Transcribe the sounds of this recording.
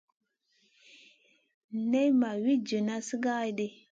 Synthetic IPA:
ne˦jma˨wi˦d͡ʒə˨na˦si˦ɡa˦i˦de˦

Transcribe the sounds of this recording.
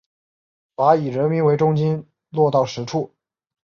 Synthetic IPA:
pa˧˥i˨˩ɻə˧˥nmi˧˥nwe˧˥ɪʈ͡ʂʊ˥ŋt͡ɕi˥n | lwɔ˥˧t̪ɑ˥˩ʊʂɻ̩˧˥ʈ͡ʂʰu˥˩

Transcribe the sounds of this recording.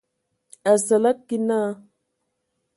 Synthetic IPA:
a˨sa˨la˦t̚ki˦na˦

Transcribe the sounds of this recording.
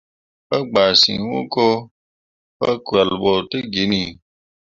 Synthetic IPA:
pa˦ɡ͡baː˨sḭ̃˨wṵ˦ko˦ | pa˦ku˨a˨lɓɔ˨te˦ɡi˨˦nĩ˨

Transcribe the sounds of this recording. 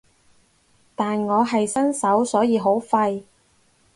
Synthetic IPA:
t̪aː˨nŋɔː˨˧ɦɐ˨jsɐ˥nsɐ˨˥wsɔː˨˥jiː˨˧ɦo˨˥wfɐ˧j

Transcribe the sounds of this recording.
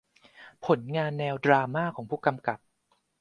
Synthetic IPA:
pʰo˩˦nŋaː˧nːɛː˧wdɾaː˧maː˥˩kʰɔː˩˦ŋpʰuː˥˩ka˧mka˨˩p̚

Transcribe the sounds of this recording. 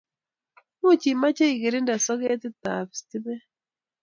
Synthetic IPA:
mu˦˨t͡ʃi˨ma˦t͡ʃe˦i˨ɣe˨ɾi˦nda˨sɔ˦ɣe˦ti˦ta˨βi̥˨sti˦βɛ˦

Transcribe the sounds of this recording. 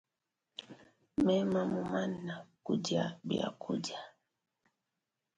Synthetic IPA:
mɛ˦ma˨mu˨ma˦nːa˨ku˦d͡ʒa˨bḭ˨a̰˨ku˦ʄa˨

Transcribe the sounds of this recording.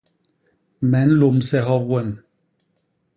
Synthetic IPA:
mɛ˨˦n̩˦lo˨msɛ˦ɦɔ˦p̚wɛ˦˨n

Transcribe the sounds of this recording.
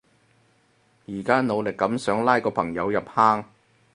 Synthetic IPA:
jiː˨˩kaː˥no˨˧wlɪ˨kːɐ˨˥msœː˨˥ŋlaː˥jkɔː˧pʰɐ˨˩ŋjɐ˨˧wjɐ˨p̚haː˥ŋ

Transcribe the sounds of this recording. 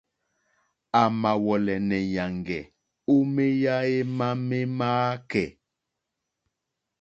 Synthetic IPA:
a˨ma˨wɔ˨lɛ˨nɛ˨ja˨ŋɡɛ˨ | o˦me˦ja˦e˦ma˦me˦maː˦kɛ˨

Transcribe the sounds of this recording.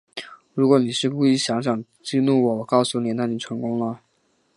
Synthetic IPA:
ɻu˧˥kwɔ˧˥ni˨˩ʂɻ̩˥˧ku˥˩i˥˩ɕjɑ˧˥ŋɕ̬jɑ˨˩ŋ | t͡ɕi˥˧nu˥˩wɔ˧˥wɔ˨˩kɑ˥˧ʊsu˥˩ni˨˩na˥˩ni˨˩ʈ͡ʂʰɤ˧˥ŋkʊ˥ŋlə˨

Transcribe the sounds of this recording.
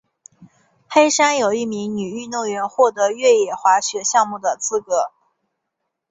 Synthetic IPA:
xe˥ɪʂa˥njo˨˩ʊi˥˩mi˧˥ŋny˨˩y˥˧no˥˩ʊɥɛ˧˥nxwɔ˥˩t̪ɤ˧˥ɥɛ˥˩jɛ˨˩xwa˧˥ɕɥɛ˧˥ɕjɑ˥˧ŋmu˥˩d̪ə˩t͡sʰɹ̩˥kɤ˧˥

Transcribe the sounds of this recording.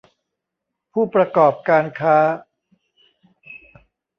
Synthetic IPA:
pʰuː˥˩pɾa˧kɔː˨˩p̚kaː˧nkʰaː˦˥

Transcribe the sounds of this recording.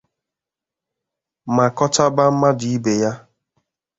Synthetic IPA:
ma˨kɔ˦ta˦ba˦m̩˦ma˦di˨i˦be˨ja˦

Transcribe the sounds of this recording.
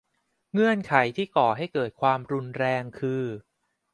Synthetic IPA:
ŋɯ˧˩ənkʰa˩˦jt̪ʰiː˥˩kɔː˨˩ɦa˥˩jkɤː˨˩t̪̚kʰwaː˧mɾu˧nɾɛː˧ŋkʰɯː˧

